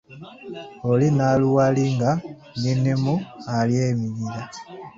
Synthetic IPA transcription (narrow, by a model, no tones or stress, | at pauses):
olinaluwaliŋɡa | ninemualjemilila